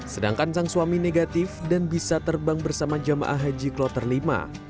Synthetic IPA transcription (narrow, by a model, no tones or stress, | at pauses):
səda̰ŋkansaŋsuamineɡat̪ɪfdanbisat̪ərbaŋbərsamad͡ʒama̰ʔaɦad͡ʒiklɔt̪ərlima̰